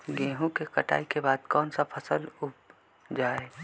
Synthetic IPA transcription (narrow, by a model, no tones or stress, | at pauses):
ɡẽːɦũkekəʈa̰ːikebaːd̪kɔːnsapʰəsəlʊp | d͡ʒaːe